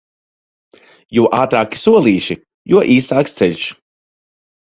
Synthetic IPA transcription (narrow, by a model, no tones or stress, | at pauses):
juʔaːt̪ɾaːki̥suɔlˠiːʃi | juɔʔiːsaːkst̪sɛʎʲʃ